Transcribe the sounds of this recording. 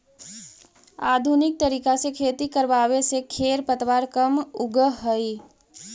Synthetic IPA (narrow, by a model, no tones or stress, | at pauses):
aːd̪ʱunɪk̚t̪əɾiːkasekʰeːt̪ikəɾbaːwesekʰeɾpət̪ʋaːɾkəmʊɡəɦəi